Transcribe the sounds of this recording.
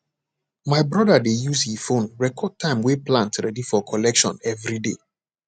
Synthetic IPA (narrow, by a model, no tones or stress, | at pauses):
maɪbɹɔdadejushifõnɹɛkʰɔd̚tʰãɪ̃mweplãntɹɛdifɔkʰɔlɛkʃɔ̰̃nɛvɹidḛ